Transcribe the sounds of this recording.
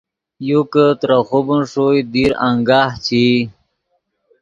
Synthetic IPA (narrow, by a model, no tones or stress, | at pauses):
jukət̪ɾaxubunʂojd̪iɾaŋɡaːht͡ɕʰi